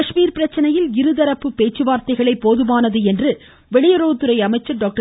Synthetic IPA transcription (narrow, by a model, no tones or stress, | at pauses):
ɐʂmiːɾpɪɾɐt͡ʃːɐnɐjɪlɪɾɯðɐɾɐpːɯpːeːt͡ʃːɯʋaːɾt̪ɐɪɣɐɭɐɪpːoːðɯʋaːnɐðɯɛndrɯ | ʋɛɭɪjɐɾoːt̪ːɯɾɐɪɐmɐɪt͡ʃːɐɾɖoːk̚ʈɐ